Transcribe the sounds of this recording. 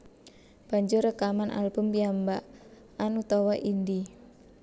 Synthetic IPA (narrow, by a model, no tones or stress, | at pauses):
b̥a̤ɲd͡ʒʊrəkamanʔa̰lbumpiambaʔ | anut̪ɔwaʔindi